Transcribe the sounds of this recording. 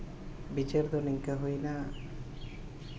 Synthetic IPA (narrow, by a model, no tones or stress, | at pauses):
bit͡ʃeɾd̪oniŋkaɦujna